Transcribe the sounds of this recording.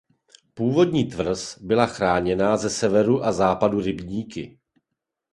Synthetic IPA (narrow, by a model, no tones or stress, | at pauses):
puːvo̞dɲiːt̪vr̩sbɪlaxɾaːɲɛnaːzɛsɛvɛɾuʔazaːpaduɾɪbɲiːkɪ̰